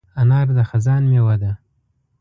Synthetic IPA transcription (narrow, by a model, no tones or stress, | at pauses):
anɑɾd̪axazɑnmewad̪a